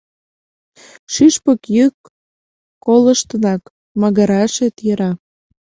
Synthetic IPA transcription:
ʃyʃpəkjəkː | olə̆ʃt̪ənɑk | mɑɣəɾɑʃet̪jə̆ɾɑ

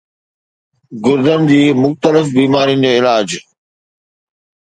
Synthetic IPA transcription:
ɡʊɾd̪ənɪ̆d͡ʑiːmʊxt̪əlɪfbiːmaːɾiənɪ̆d͡ʑeːɪlaːd͡ʑ

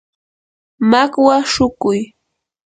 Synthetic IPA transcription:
makwaʃʊkʊj

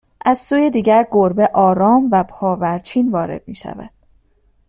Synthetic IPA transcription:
ʔæz̥suːjed̪iːɟæɾɡoɾbe̞ʔɒːɾɒːmvæpʰɒːvæɾt͡ʃʰiːnvɒːɾe̞̰d̪̥̚mḭːʃæ̰væ̰d̪̥̚

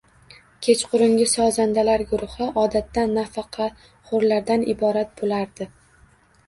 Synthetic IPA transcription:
kʲʰet͡ʃqʰʊɾɪŋʲɪsɒzand̪alaɾɡʊɾʊhɪʔɒd̪at̪ːanːafɑqʰɑ | χʊɾlaɾd̪anɪ̰bɒɾat̪̚bolaɾd̪̥ɪ

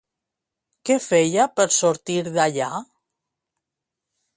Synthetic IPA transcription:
kefejapəɾsoɾt̪iɾðaʎa

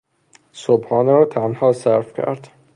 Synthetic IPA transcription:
sobχɒːneɾɒːt̪ʰænhɒːsæɾfcʰæ̰ɾd̪

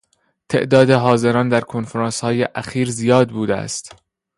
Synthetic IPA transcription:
t̪ʰe̞̰ʔd̪ɒːd̪e̞ɦɒːze̞ɾɒːnd̪æɾkʰonfeɾɑːnshɒːjeʔæxiːɾzijɒːd̪̚buːd̪eæ̰st̪

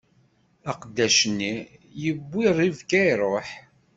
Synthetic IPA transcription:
æqd̪ːæʃənːijəbʷːiɾˤivkæjɾˤoħ

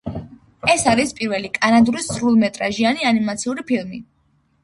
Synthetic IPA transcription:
ɛsaɾispʼiɾvɛlikʼanad̪uɾisɾulˠmɛt̪ʼɾaʒianianimat̪sʰiuɾipʰilˠmi

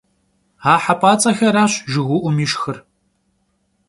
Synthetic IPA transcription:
aːħapʼaːt͡sʼɐxɐɾaːɕʒɪɣʷʊʔʷʊmiːʃxɨr

